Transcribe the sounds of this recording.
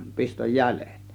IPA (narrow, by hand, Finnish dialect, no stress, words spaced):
pistoj jæle̥ˑt